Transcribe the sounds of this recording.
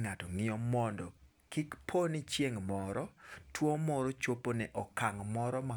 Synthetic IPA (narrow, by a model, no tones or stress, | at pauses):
ŋatɔŋɪɔmɔndɔ | kɪkpʰonɪt͡ʃjeŋmɔɾɔtwomɔɾot͡ʃoponɛʔɔkaŋmɔɾɔma